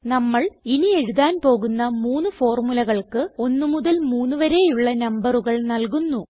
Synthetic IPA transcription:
nɐmːɐɭinie̞ɻuðaːnpo̞ːɣunːɐmuːnːufo̞ːrmulɐɣɐɭkɨo̞nːɨmuðɐlmuːnːuʋɐɾe̞ːjuɭːɐnɐmbɐruɣɐɭnɐlk̬unːu

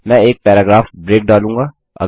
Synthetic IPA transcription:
mɛ̃eːk̚pɛːɾaːɡɾaːfbɾeːk̚ɖaːlũːŋɡa | ɐ̰

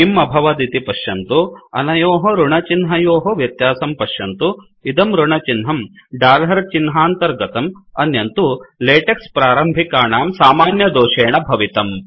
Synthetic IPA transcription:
imɐbʱɐʋɐd̪it̪ipɐʃjɐnt̪uɐ̰nɐjoːɦɐɾuɳɐt͡ʃinɦɐjoːɦɐʋjɐt̪jaːsɐmpɐʂʃjɐnt̪u | id̪ɐmɾuɳɐt͡ʃinɦɐmɖaːlɦɐɾt͡ʃinɦaːnt̪ɐɾɡɐt̪ɐmɐnjɐnt̪uleːʈekspɾaːɾɐmbʱikaːɳaːmsaːmaːnjɐd̪oːʃeːɳɐbʱɐʋit̪ɐm

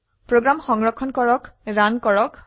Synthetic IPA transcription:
pɹoɡɹamxɔŋɹɔkʰːɔnkɔɹɔkɹankɔɹɔk

